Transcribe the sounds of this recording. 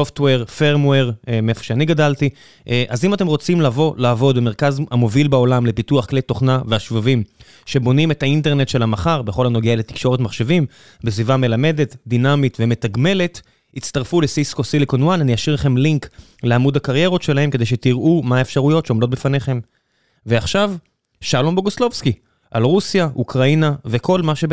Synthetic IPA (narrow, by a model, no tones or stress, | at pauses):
soft̪weʁfeʁmweʁmeefo̥ʃeaniɡadalti | ʔʔazimat̪e̞mʁo̞t͡simlavo̞laːvo̞d̪bemeʁkazamo̞vilbao̞lamle̞pituaχklejt̪o̞χnaveaʃvavim | ʃe̞bo̞nime̞taint̪̬e̞ʁne̞t̪ʃe̞lamaχaʁbeχo̞lhano̞ɡeale̞t̪i̥kʃo̞ʁet̪maχʃevim | besvivame̞lame̞de̞t̪d̪inamitve̞me̞t̪aɡme̞le̞t | itt͡st̪aʁfulesiskosilikonwananijaʃiʁlaχe̞mliŋk | leamudakaʁje̞ʁo̞tʃe̞lahe̞mke̞d̪ejʃe̞t̪iʁʔumaaefʃaʁujo̞tʃeo̞mdo̞t̪̚befaneχe̞m | veaχʃav | ʃalomboɡoslo̞vski | ʔalʁusjaʔukʁainave̞ko̞lmaʃe